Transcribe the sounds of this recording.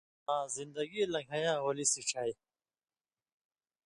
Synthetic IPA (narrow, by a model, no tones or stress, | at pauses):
ãːzind̪ɐɡilɐ̃ŋɡʰʱɐjãːwolisiʈ͡ʂʰɐj